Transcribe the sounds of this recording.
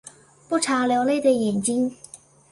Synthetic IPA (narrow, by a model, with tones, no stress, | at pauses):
pu˥˩ʈ͡ʂʰa˧˥ljɑ˧˥wle˥˩ɪd̪ə˨jɛ˨˩nt͡ɕi˥ŋ